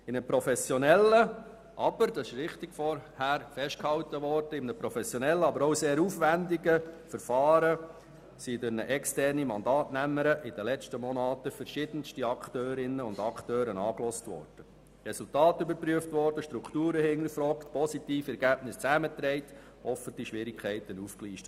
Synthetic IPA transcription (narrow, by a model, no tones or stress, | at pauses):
ɪnəpɾɔfɛsjɔnɛlə | ʔɑb̥əɾd̥ɑsɪʃʋɪχtɪɡ̥fɔɾhæːɾfɛʃt̚khɑwtəʋɔrd̥əɪmnəpɾɔfɛsjɔnɛlːəɑbəɾoʊseːɾuːfʋændɪɡəfəɾfɑːɾə | sidɛnəʔɛkstɛrnimɑndɑːtnæmːəɾəʔɪd̥əlɛt͡ʃtəmɔnɑːt̪əfəɾʃɪd̥ənstiɑkʰtøːɾɪnəʊndɑktøːɾənɑːklɔstʋɔ̰ːɾd̥ə | rɛsultɑːtʏbəɾpɾyəftʋɔrd̥əʃtɾukʰtuːɾəhɪŋəfɾɔːktpʰɔsitiːfɛɾɡæːb̥nɪst͡sæmət̪ɾɛɪt | ɔfətiʃʋɪɾɪkʰχɛɪtənufkliːʃtə